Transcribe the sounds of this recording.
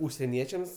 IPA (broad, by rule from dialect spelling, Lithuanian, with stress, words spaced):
ʊʃʲsʲɛˈnʲiɛt͡ʃʲɛms